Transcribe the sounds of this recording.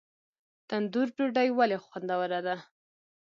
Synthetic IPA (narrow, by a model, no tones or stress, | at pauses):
t̪and̪uɾɖuɖajwalexwand̪awəɾad̪a